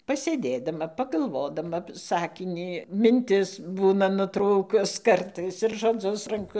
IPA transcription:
pɐsʲeːˈdʲeːdɐmɐ pɐɡɐlˠˈʋoːdɐmɐ ˈsɑːkʲɪnʲiː mʲɪnʲˈtʲɪs ˈbuːnɐ nʊˈtruːkʊs ˈkɐrtɐɪs ɪr ʒoːˈd͡zʊs rɐŋˈkʊ

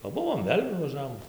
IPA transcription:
pɐˈbʊʋoːm ˈʋʲeːlʲ nʊʋɐˈʒɑːʋoːm

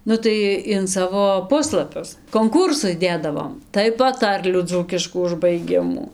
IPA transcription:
ˈnʊ tɐɪ ɪn ˈsɑːʋoː ˈpʊslˠɐpʲʊs koːŋˈkuːrsʊs ˈdʲeːdɐʋoːm tɐɪ pɐˈtɐrʲlʲuː ˈd͡zuːkʲɪʃkuː ʊʒbɐɪˈɡʲɪmuː

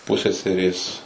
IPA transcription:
ˈpʊsʲɛsʲɛrʲeːs

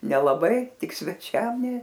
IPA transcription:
nʲɛlˠɐˈbɐɪ ˈtʲɪk sʲʋʲɛˈt͡ʃʲɛm nʲɛ

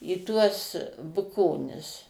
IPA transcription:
iː ˈtuɔs bʊˈkoːnʲɪs

